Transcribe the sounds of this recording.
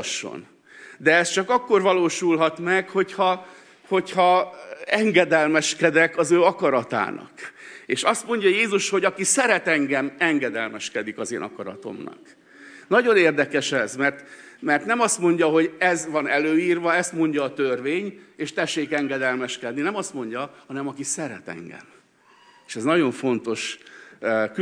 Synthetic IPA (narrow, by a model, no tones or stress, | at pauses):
ʃːo̰n | d̪ɛɛst͡ʃɒkɒkːo̞rvɒloːʃulɦɒt̪mɛkho̞chɒ | ho̞chɒɛŋɡɛd̪ɛlmɛʃkɛd̪ɛkɒzøːɒkɒɾɒt̪a̰ːnɒ̰keːʃɒst̪mo̞ɲɟɒjeːzuʃho̞ɟɒkisɛɾɛt̪ɛŋɡɛmɛŋɡɛd̪ɛlmɛʃkɛd̪ikɒzḛːnɒ̰kɒɾɒ̰t̪o̞̰mnɒ̰k | nɒɟo̞neːrd̪ɛkɛʃɛzmɛrt̪ | mɛrt̪nɛmɒst̪mo̞ɲɟɒɦo̞ɟɛzʋɒnɛløːiːrʋɒɛst̪mo̞ɲɟɒːt̪ørveːɲeːʃt̪ɛʃːeːkɛŋɡɛd̪ɛlmɛʃkɛd̪ninɛmɒst̪mo̞ɲɟɒhɒnɛmɒkisɛɾɛ̰t̪ɛ̰ŋɡɛ̰m | eːʃɛznɒɟo̞ɱfo̞nt̪o̞ʃ | k